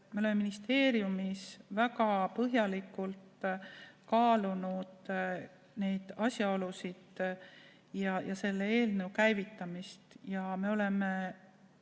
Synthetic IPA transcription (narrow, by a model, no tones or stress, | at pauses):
me̞o̞lemːeminist̪e̞ːɾjumisvæɡɑpɤɦjɑlikːult̪ | kɑːlunud̪̥ | ne̞jd̪̥ɑsjɑolusid̪̥ | jɑjɑse̞lːeeːlnewkæjvit̪ˑːɑmist̪jɑme̞o̞le̞me